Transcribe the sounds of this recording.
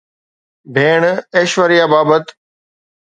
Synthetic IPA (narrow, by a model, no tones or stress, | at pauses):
bʱeːɳ̃eːʃʋəɾijaːbaːbət̪